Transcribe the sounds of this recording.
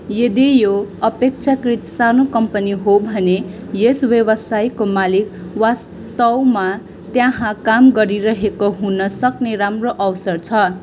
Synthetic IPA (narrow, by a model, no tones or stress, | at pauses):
jed̪ijoʌpek̚t͡sʰakrit̪sanokʌmpʌniɦobʱʌne | jesbjʌbʌsajkomalik | was | t̪ʌwma | t̪jãɦãkamɡʌɾiɾʌɦekoɦunʌsʌkneɾamroʔʌwsʌrt͡sʰʌ